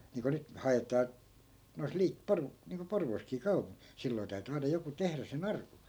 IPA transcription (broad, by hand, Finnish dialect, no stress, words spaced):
niːŋko nyt hɑetɑː nois liː por niːŋko porʋoːskiː kɑu silːoi̯ tæy̞ty ɑinɑ joku tehræ sen ɑrku